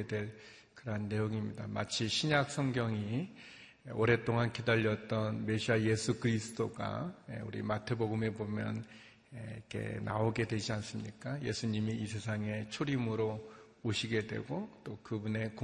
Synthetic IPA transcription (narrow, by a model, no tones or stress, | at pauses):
dwe̞ɭ | kɯɾʌɦanːe̞joŋimɲidama̰t͡ɕʰiɕʰiɲak̚s͈ʰʌŋɡjʌŋi | oɾe̞t͈oŋankidaʎːʌt͈ʌnme̞ɕʰiaje̞sʰukɯɾisʰɯ̥t͈oɡa̰ḛṵɾḭmatʰe̞boɡɯme̞bomjʌn | eikʰḛna̰oɡe̞dwed͡ʑians͈ɯmɲik͈aje̞̰sʰuɲimiːsʰe̞sʰaŋe̞t͡ɕʰoɾimɯɾo | oɕʰiɡe̞dwe̞̰ɡot͈okɯbune̞ko